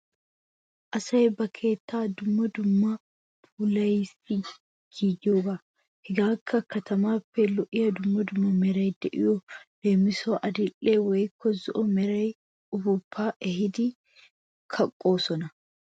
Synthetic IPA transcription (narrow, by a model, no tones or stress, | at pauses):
ʔɐsɐjɛbɐkʰe̞ːt̪ːaːd̪ʊmːɐd̪ʊmːɐ | buːlɐjɪsɪ | ɡ̥id͡ʒoːbɐ | hɪɡaːkʰːɐkːɐt̪ɐmaːfɛlɔʔɪjɐd̪ʊmːɐd̪ʊmːɐmɛɾɐjd̪ɛʔɪjɔl̥e̞ːmːɪsoːʔɐd̪ɪlːeːwɐjɪkːɔzɔʔɔmɛɾɐj | ʊbʊpʰːaːʔɛɦɪd̪ɪ | kʰɐkʼːo̞ːsɔnɐ